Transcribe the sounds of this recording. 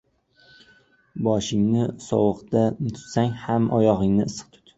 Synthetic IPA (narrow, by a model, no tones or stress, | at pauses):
bɒʃɪŋnɪsɒwʊqt̪at̪ʰʊ̥t̪saŋhamʔɒjɒʁɪŋnɪːsɨ̥q̚t̪ʰʊ̥t̪